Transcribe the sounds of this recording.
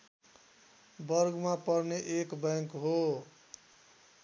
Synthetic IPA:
bʌɾɡmapʌɾneʔekbaŋkɦo

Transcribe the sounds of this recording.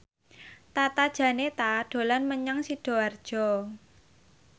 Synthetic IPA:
t̪at̪ad̥ʒ̥ä̤net̪aɖ̥o̤lanməɲaŋsiɖ̥o̤ard̥ʒ̥ɔ

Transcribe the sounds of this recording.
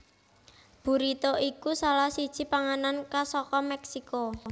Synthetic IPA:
b̥ṳɾit̪oʔikusalahsid̥ʒ̥i̤paŋanankasɔkɔmɛksiko

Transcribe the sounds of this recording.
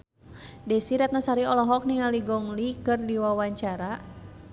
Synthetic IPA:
dɛsiɾat̪̚nasaɾiɔlɔɦɔk̚niŋaliɡɔŋlikɨrdiwawaɲt͡ʃaɾa

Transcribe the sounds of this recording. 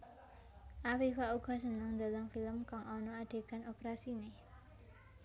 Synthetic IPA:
ʔafifauɡ̥ɔ̤sənaŋnd̪əlaŋfiləmkaŋɔnɔaɖ̥e̤kanopɾasine

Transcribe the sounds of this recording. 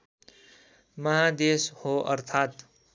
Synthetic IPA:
mʌɦad̪eshoʌ̰ɾt̪ʰat̪

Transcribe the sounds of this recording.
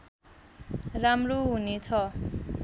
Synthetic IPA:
ramroɦunet͡sʰʌ

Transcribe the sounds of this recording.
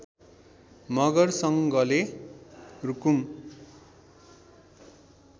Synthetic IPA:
mʌɡʌrsʌŋɡʌle | rukum

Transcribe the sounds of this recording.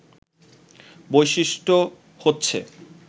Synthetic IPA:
bojʃiʃʈo | hotːɕʰḛ

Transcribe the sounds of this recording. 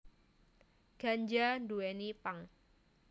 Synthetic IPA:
ɡ̥a̤ɲd͡ʒanduenipaŋ

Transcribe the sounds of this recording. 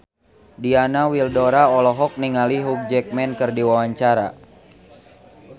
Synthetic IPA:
dianawildɔɾaɔlɔɦɔk̚niŋaliɦuk̚d͡ʒɛk̚mɛnkɨrdiwawaɲt͡ʃaɾa̰

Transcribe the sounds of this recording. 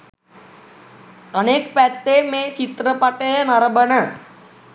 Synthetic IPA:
əneːkpɛt̪ːemẽt͡ʃit̪ɾəpaʈeɦnəɾbəɳə

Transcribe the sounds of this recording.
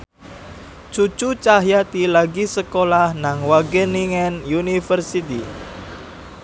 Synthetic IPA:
t͡ʃut͡ʃut͡ʃaɦjat̪ilaɡisəkolahnaŋwaɡəniŋɛnjunifərsit̪i

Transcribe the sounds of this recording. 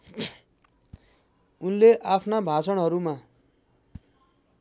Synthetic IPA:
unleʔapʰnabʱat͡sʌɽɦʌɾuma

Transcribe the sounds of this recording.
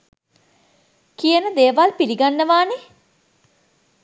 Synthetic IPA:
kijənəd̪eːʋalpiliɡanːəʋaːne

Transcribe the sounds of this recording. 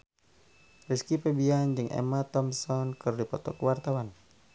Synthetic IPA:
riskipɛbiand͡ʒɨŋʔɛ̰mat̪ɔmsɔnkɨrdipɔt̪ɔ̰kwart̪awan

